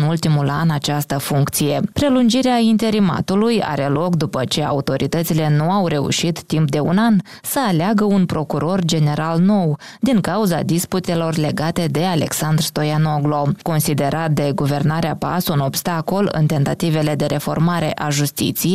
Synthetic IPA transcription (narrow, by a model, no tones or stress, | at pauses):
nult̪imulanat͡ʃast̪əfuŋkt̪sije̞pɾe̞lund͡ʒiɾeaint̪e̞ɾima̰t̪uluja̰ɾe̞lo̞kd̪upət͡ʃe̞a̰ut̪o̞ɾʔit̪ət̪sile̞nuawɾe̞ṵʃit̪ːimp̚d̪e̞ṵnan | səaleaɡəunpɾo̞kuɾo̞rd͡ʒe̞ne̞ɾalno̞wd̪iŋkauza̰d̪isput̪e̞lo̞rle̞ɡat̪e̞d̪e̞ale̞̰ksand̪rst̪o̞jano̞ɡlo̞ko̞nsid̪e̞ɾʔat̪̚d̪e̞ɡuve̞rnaɾeapa̰suno̞bst̪akolɨ̰nt̪e̞nt̪at̪ive̞le̞d̪e̞ɾʔe̞fo̞̰rmaɾe̞̰ʔaʒust̪ḭt̪sije